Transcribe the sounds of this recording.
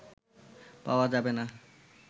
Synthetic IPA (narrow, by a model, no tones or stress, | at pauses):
pa̰oad͡ʑabena